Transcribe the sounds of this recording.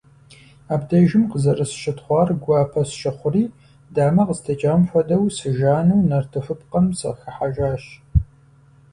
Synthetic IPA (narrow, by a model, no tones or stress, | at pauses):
aːbdɐʒɪmqəzɐrɨsʃɪtχʷɑːrɡʷɑːpʰɐsʃɐχʷʊriː | daːmɐqəztʰɐt͡ʃʼamfʷɔdɐwsɨʒaːnɨwnɐrtʰɨfɨpqɐmsɐ̰xɨħaʒaːɕ